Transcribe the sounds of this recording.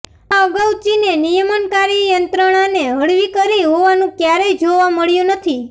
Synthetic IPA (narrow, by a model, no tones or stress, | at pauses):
aəɡəwt͡ʃinenijəmənkaɾijənt̪ɾəɽ̃aneɦəɽʋikəɾiɦoʋanũkjaɾejd͡ʒoʋaməɭjũnət̪ʰi